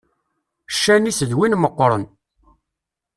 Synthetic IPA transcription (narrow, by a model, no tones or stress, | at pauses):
ʃːænisəðwinməqːɾˤə̰n